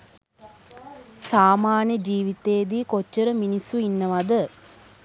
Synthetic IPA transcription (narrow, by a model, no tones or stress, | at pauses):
saːmaːnjəd͡ʒiːʋit̪eːd̪iːkot͡ʃːəɾəminisːuinːəʋad̪ə